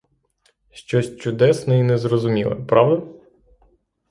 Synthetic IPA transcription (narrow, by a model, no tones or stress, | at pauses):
ʃt͡ʃɔsʲt͡ʃʊd̪ɛsnɔinɛzrɔzʊmʲilˠɐ̰pɾɑʋd̪ɐ